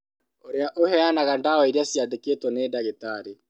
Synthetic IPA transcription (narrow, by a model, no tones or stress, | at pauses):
oɾeaʔohɛanaɣandaɔiɾeasjaðeketwɔnedaɣetaɾe